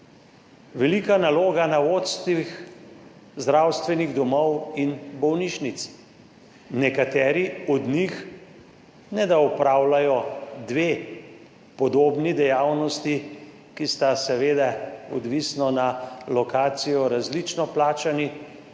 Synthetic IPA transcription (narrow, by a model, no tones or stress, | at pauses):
ʋɛlikanaloːɡanaoːt̪st̪ix | zd̪ɾawst̪ʋɛniɣd̪ɔmɔwinbɔwniʃnit̪s | nɛkat̪ɛːɾiɔd̪nix | nɛd̪aɔpɾaːwlajɔd̪ʋeː | pɔd̪oːbnid̪ɛjawnɔst̪i | kist̪asɛʋeːd̪aɔ̰d̪ʋisnɔnalɔkaːt̪sijɔɾazlit͡ʃnɔplaːt͡ʃani